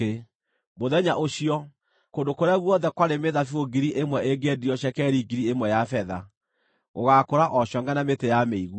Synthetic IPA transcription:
e | moðɛɲaʔoɕiɔ | kondokoɾeaɣwɔnðɛkwaɾemeðafioɡiɾiʔemwɛʔeɡɛdiɔɕɛkɛɾiɡiɾiemwɛjafɛða | ɣo̰ɣakoɾaʔɔɕɔŋɡanametejameiɣu

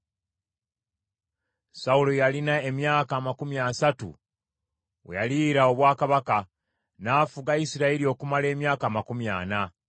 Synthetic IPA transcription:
saulojalinae̞mjaːkaːmakumjasatṵ | wejaliɾao̞βwaːkaβaka | naːfuɡaisiɾaeɾio̞ːkumale̞ːmjaːkaːmakumja̰ːna

